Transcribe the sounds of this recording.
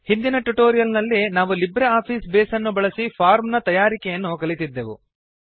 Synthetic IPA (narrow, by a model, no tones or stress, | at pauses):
hind̪inɐʈuʈoːɾijɐlnɐlːinaːʋulibɾɐaːpʰiːsbeːsɐnːubɐɭɐsipʰaːɾmnɐt̪ɐjaːɾikɛjɐnːukɐɭit̪id̪ːeʋṵ